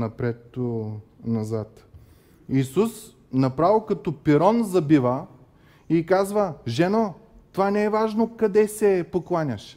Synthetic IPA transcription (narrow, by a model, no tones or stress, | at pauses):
nɐpɾɛt̪ːonɐzat̪ | isus | nɐpɾavilˠkɐt̪ɔpiɾɔnzɐbivə | ikazvəʒɛno | t̪ovanɛɛvaʒnokɐd̪ɛsɛpoklˠanʲɐʃ